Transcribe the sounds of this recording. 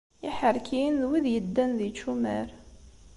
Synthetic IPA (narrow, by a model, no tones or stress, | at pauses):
iħəɾˤkinðwiðjəd̪ːænðit͡ʃːumæɾ